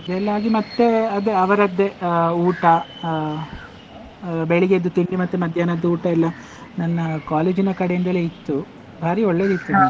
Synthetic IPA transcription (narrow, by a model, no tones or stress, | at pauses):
ɐd̪ɛlːaːɡimɐt̪ːe̞ɐd̪eɐʋɐɾɐd̪ːe̞uːʈɐ | beɭiɡed̪ːut̪iɳɖimɐt̪ːemɐd̪ʱjaːnɐd̪ːuuːʈɐilːɐ | nɐnːɐkaːleːd͡ʒinɐkɐɽejind̪ɐleit̪ːu | bʱaːɾio̞ɭːe̞ːd̪it̪ːu